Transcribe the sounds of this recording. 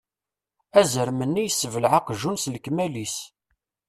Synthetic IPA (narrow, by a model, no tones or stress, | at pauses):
æzəɾmənːijəsːəvəlʕaqʒunslkmælis